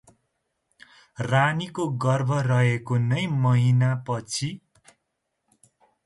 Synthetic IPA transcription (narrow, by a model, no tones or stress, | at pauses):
ranikoɡʌrbʱʌrʌɦekonʌjmʌɦinapʌt͡sʰi